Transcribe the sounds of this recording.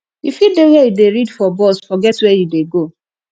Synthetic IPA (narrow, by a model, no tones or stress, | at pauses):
ifidewɛjudeɾidfɔbɔsfɔɡɛtwɛjudeɡo